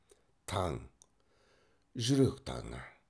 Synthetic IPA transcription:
t̪ʰaŋ | ʑəɾok̚t̪ʰa̰ŋa

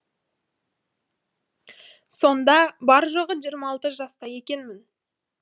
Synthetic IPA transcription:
so̞nd̪ɑbɑɾʒoʁəʒijəɾmɑːlˠt̪əʒɑst̪ɑje̞kʲe̞nmɪn

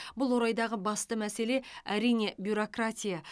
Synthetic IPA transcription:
bʊlˠwo̞ɾɑjd̪ɑʁəbɑst̪əmæse̞le̞æɾijne̞bjuɾo̞krat̪ʲija

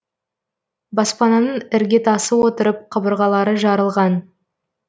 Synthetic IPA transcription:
bɑspɑnɑnəɴɪɾɡʲe̞t̪ɑsəwo̞t̪əɾəp̚qʰəbəɾʁɑlˠɑɾəʒɑɾəlˠʁɑn

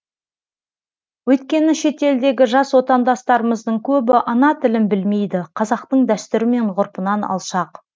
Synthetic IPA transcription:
wɵt̪kʲe̞nɪʃe̞t̪e̞ld̪e̞ɡʲɪʒɑswo̞t̪ɑnd̪ɑst̪ɑɾəməzd̪əɴkʲʰɵbɪʔɑnɑt̪ʰɪlɪnbɪlme̞jd̪ɪqʰɑzɑq̚t̪əɴd̪æst̪ɪɾɪme̞ɴqʰʊɾpənɑnɑ̰lˠʃɑq

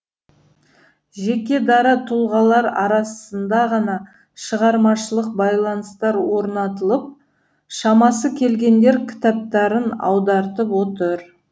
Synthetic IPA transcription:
ʒe̞kʲe̞d̪ɑɾɑt̪ʰulˠʁɑlˠɑɾɑɾɑsənd̪ɑʁɑnɑ | ʃəʁɑɾmɑʃəlˠəq̚bɑjlˠɑnəst̪ɑɾwo̞ɾnɑt̪əlˠəp̚ | ʃɑmɑsəkʲʰe̞lɡʲe̞nd̪e̞ɾkʲʰɪ̥t̪ɑp̚t̪ɑɾənɑ̰wd̪ɑɾt̪əpwo̞t̪əɾ

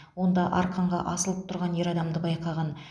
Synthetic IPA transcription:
wo̞nd̪ɑʔɑɾqʰɑɴʁɑ̰ʔɑsəlˠəp̚t̪ʰʊɾʁɑne̞ɾɑd̪ɑmd̪əbɑjqʰɑʁɑn

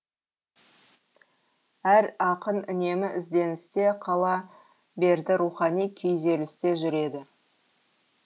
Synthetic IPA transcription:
æɾɑqənʏne̞mɪʔɪzd̪e̞nɪst̪e̞qʰɑlˠɑ | be̞ɾd̪ɪɾuχɑnijkʲʰʏjze̞lɪst̪e̞ʒʏɾe̞d̪ɪ

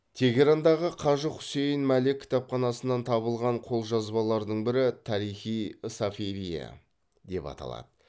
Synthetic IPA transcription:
t̪ʰe̞ɡʲeɾand̪ɑʁəqʰɑʒəχʊ̥se̞jənmælekʲʰːɪ̥t̪ɑpχɑnɑsənɑnt̪ʰɑβəlˠʁɑɴqʰo̞lˠʒɑzbɑlˠɑɾd̪əɴbɪɾɪt̪ʰɑɾijχijsafiɾija̰ | d̪e̞pɑ̰t̪ɑ̰lˠɑ̰d̪ə

